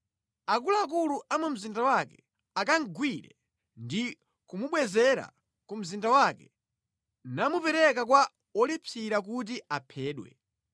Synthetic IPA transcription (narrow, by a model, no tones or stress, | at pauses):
ak̬ulaːk̬uluʔamɛm̩zindawakɛ | akaŋ̩ɡwiɾɛ̰ | ndi | kumuɓwɛzɛɾa̰ | kum̩zindawakɛ | namupɛɾɛkak̬wa | ɔlipʰiɾak̬ut̬iapʰɛːɗwɛ̰